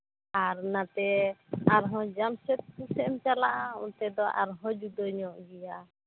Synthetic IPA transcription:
aɾnat̪ɛaɾɦɔ̃d͡ʒamsɛt̪̚kusɛmt͡ʃalaʔaṵ̃t̪ɛd̪ɔʔa̰ɾɦɔ̃d͡ʒud̪ɔɲɔʔɡɛja

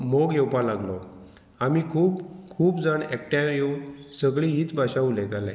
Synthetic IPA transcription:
moɡjewpalaɡlɔ | amiːkʰuːpkʰuːpd͡zaɳɛk̚ʈjãjewsəɡɭĩɦiːt͡sbʱaɕaulɛ̃t̪alɛ̰̃

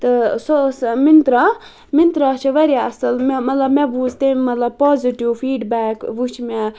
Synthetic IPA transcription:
t̪ɨsosmint̪ɾa | mint̪ɾaːt͡ʃʰiʋɐɾjaɐsɐlmmɐt̪lɐbmeʋuzt̪emɐt̪lɐb̚poːziʈiwfʰiːɖbaːkʋut͡ʃʰmɛ

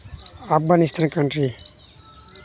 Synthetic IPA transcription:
afɡanist̪ʰankəɳʈɾi

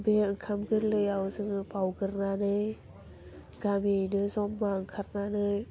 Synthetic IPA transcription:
beɯŋkʰamɡɯɾlɯjawzɯŋɯpawɡɯɾnanɯj | ɡ̥amijnɯzɔmːaɯŋkʰaɾ̚nanɯj

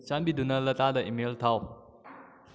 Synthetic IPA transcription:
t͡ʃanbidunɐlɐtadɐʔimeltʰaw

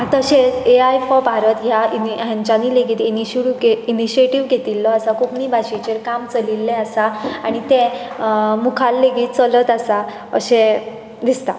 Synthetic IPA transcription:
at̪əɕet͡seajfɔbʱaɾət̪ɦjaiɦjãɲt͡ɕaniːleɡiːt̪iniɕɽiɡeiniɕieʈiʋɡʱet̪ilːɔasakʰupɳiːbʱaɕit͡ɕeɾkamt͡səlilːɛ̃asaaɽ̃it̪ẽ | mukʰalːeɡiːt̪̚t͡sələt̪asa | ə̰ɕẽ | d̪ist̪a̰

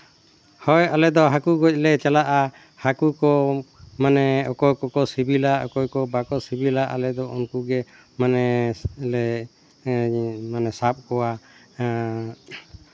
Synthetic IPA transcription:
hɔjalɛd̪ɔɦakuɡɔc̚ˀlɛt͡ʃalaʔa | hakukɔmanɛɔkɔjkɔkɔsibilaʔɔkɔjkɔbakɔsibilaʔa̰lɛd̪ɔɔnkuɡɛ | manɛlɛ | manɛsap̚kɔwa

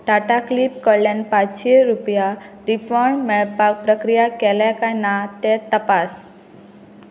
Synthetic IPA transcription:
ʈaʈaklip̚kəlenpãʃeɾupja | ɾifʰɔɾɳmeɭpak̚pɾəkɾijakɛlakajnat̪et̪əpas

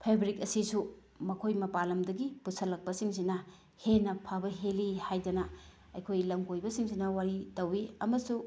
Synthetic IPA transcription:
pʰebɾikɐsisu | mɐkʰojmɐpalɐmdɐɡipusɐlːɐk̚pɐsiŋsinɐ | henɐpʰabɐɦelihajdɐnɐ | ɐ̰jkʰojlɐmɡojbɐsiŋsinɐwaɾitɐwiɐmɐsu

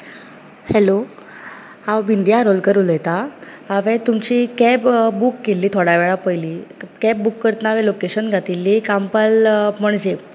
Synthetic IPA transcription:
helo | awbind̪jaɾolkəɾuːlɛt̪aː | ʋẽt̪umt͡ɕikɛpbukːelːiːt̪ʰoɽaʋeɭapəjliːkɛp̚bukːəɾt̪naʋelokeɕənɡʱat̪ilːikampalm̤əɳd͡ʑe

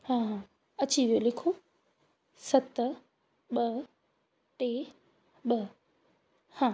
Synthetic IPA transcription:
hãːɦãː | ɐt͡ɕiʋijolɪkʰo | sɐt̪ | ɓɐ | ʈeː | ɓɐɦ | hãː

